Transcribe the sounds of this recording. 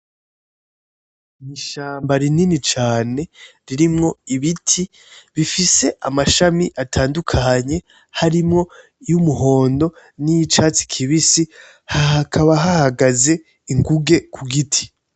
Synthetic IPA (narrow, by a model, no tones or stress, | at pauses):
niʃaːmbaɾininit͡ʃaːne̞ɾiɾimŋo̞iβitʰi | βifise̞ʔamaʃamiʔatʰaːndukʰaɲe̞ | haɾimŋo̞ | jumuɦo̞ːndo̞nijit͡ʃat͡si̥kʰiβisi | haɦakʰaβaɦahaɡaze̞ | iŋɡuɡe̞kʰuɡitʰi̥